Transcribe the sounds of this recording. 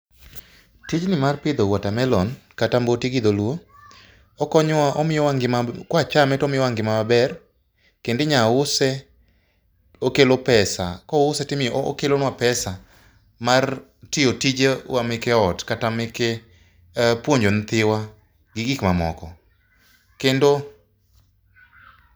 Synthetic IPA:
tid͡ʒnɪmarpɪd̪owatamɛlɔnkatambotiɡɪd̪olwo | ɔkɔɲaʔɔmɪɔwaŋɡɪmakwat͡ʃamɛtɔmɪjɔwaŋɡɪmamabɛr | kendɪɲaʊsɛ | okelopɛsa̰kɔʊsɛtɪmɪ̰kelonwapɛsa | mar | tɪotid͡ʒewamɪkɛɔtkatamɪke | pwoɲd͡ʒont̪ɪwa | ɡɪɡɪkmamɔ̰kɔ | kendo

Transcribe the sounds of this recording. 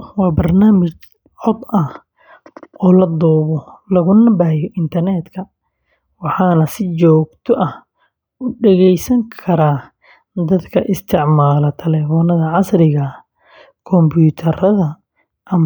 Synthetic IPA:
wɑːbɐrnaːmɪt͡ʃ | ʕɔd̪ɐh | ɔːlɐd̪ɔːβɔlɐɣʊnɐbaːjɔʔɪnt̪ʰɐrnɛːd̪kʰɐ | wɑħɑːnɐsɪt͡ʃɔːɡt̪ʰɔʔɐh | ʊɖɛɣɛjsɐŋkʰɐɾaː | d̪ɐd̪kʰɐʔɪst̪ʰɪʕmaːlɐt̪ʰɐlɛːfɔnɐðɐʕɑsrɪɣɐ | kʰɔmbʰuːt̪ʰɐɾɐðɐ | ʔɐm

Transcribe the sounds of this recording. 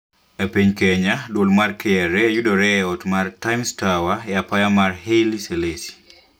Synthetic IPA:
epeɲkeɲadwolmarkʰɛɛɾɛjudɔɾɛɔtmartajmstawajapajamarɦeliselesi̥

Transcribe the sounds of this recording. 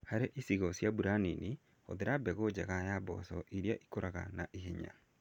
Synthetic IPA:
haɾeʔisiɣɔsjabuɾanini | o̰ðeɾabɛɣod͡ʑaɣajabɔ̰sɔʔiɾjaʔikoɾaɣa̰naʔiɦeɲa̰

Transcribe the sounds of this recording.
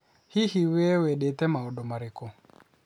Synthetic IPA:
hihiwɛwɛɗɛtɛmaɔɗɔmaɾekɔ

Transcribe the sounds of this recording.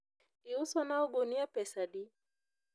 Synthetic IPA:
iuswanaɔɡuniapɛsaɗi

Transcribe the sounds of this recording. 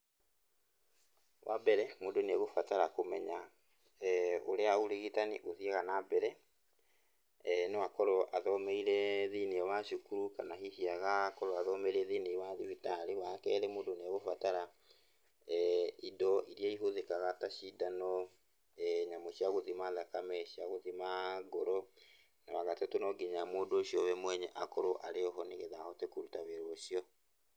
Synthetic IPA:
wʔa̰bɛɾɛmoːdonɛɣofataɾakomɛɲa | o̰ɾeaoɾeɣitanḭʔoðiɛɣanabɛɾɛ | nɛwakɔɾɔʔaðɔmɛiɾɛðineɛwaɕukuɾukanaɦihiaɣakɔɾɔaðɔmɛɾeðinewaðiβitaɾewakɛɾɛmoːdonɛɣofataɾa | idɔʔiɾiaiɦoðekaɣataɕidanɔ | ɛɲamoɕiaɣoðimaðakamɛɕiaɣoðimaɡoɾɔ | nawaɣatɛtonɔɡiɲamoːdoɕjɔβɛmwɛɲɛʔakɔɾoʔaɾeɔɦɔneɣeðaɔtekuɾutaβeɾooʃiɔ

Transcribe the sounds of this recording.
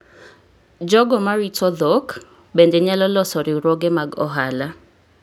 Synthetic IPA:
d͡ʒɔɡɔmaɾitɔd̪ok | bendeɲalɔlɔsɔɾɪuɾɔɡemaɡɔ̰ɦala

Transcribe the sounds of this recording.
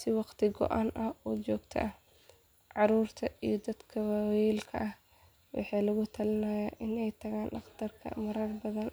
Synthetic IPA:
sɪwɑqt̪ʰɪɡɔ̰ʔaːnʔɐhɔːt͡ʃɔːɡt̪ʰɐ̰ʔɐ | ʕɑɾuːrt̪ʰɐijɔd̪ɐd̪kʰɐwawjɛːlkʰɐ̰ʔɐh | wʔɑ̰ħɑːlɐɣʊt̪ʰɐlɪnɐjaːʔɪnɛjt̪ʰɐɣaːnʔɑqd̪ʰɐrkʰɐ̰mɐɾɐrbɐðɐn

